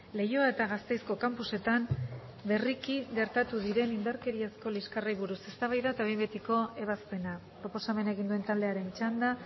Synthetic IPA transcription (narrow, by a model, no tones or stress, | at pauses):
le̞jo̞ae̞t̪aɣast̪e̞jsko̞kampuse̞t̪am | be̞rikiɣe̞ɾt̪at̪uðiɾe̞nind̪aɾke̞ɾiesko̞liskarejβuɾuse̞st̪aβ̞ajðaet̪aβe̞jmbet̪iko̞e̞β̞aspe̞napɾo̞po̞same̞nae̞ɣ̞ind̪ue̞nt̪ald̪e̞aɾe̞nt͡ʃand̪a